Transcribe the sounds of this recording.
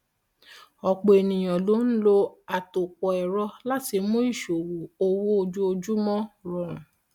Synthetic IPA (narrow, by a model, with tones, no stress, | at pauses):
ɔ˨k͡po˨e˨nĩ˨j̃ã˨lo˨˦n̩˦lo˧a˨to˨k͡pɔ˨ɛ˨ɾɔ˧la˦ti˧mõ˦i˦˨ʃo˨wu˨o˧wo˦o˧d͡ʒu˦o˧d͡ʒu˦mɔ̃˦ɾɔ̃˨ɾ̃ũ˨